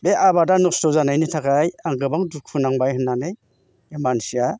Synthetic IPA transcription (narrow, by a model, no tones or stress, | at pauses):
beʔabadanɔstɔzanajnitʰakajaŋɡɯbaŋdukʰunaŋbajhɯnːanɯj | emansia